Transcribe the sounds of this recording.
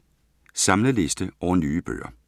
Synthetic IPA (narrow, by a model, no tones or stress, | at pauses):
sɑ̈mləle̝sd̥əɒʊnyːb̥ø̰ːɐ̰